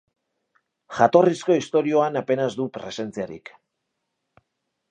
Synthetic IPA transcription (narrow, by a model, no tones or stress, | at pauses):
ʝat̪o̞risko̞ist̪o̞ɾio̞anape̞nazd̪upɾe̞se̞nt͡siaɾḭk